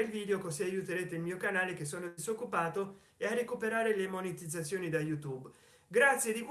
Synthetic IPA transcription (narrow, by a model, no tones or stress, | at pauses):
elviːd̪eokosiajːut̪eɾeːt̪eilmiːokanaːlek̟esːoːnod̪iszokːupaːt̪o | earekupeɾaːɾelemonet̪id̪zat̪sːjoːnid̪ajut̪ub | ɡɾat̪sːjed̪ik